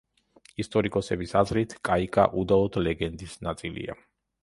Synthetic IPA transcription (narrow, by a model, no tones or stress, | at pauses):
ist̪ʼɔɾikʼɔsɛbisazɾit̪ʰkʼaikʼa̰ʔud̪alˠɔd̪lɛɡɛnd̪isnat̪sʼilḭa̰